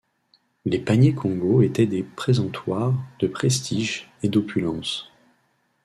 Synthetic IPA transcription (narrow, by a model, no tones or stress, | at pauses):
lepaɲekʰɔ̃ɡoet̪ɛd̪epχezɑ̃t̪waʁd̪̥əpχɛst̪iʒed̪opʰylɑ̃s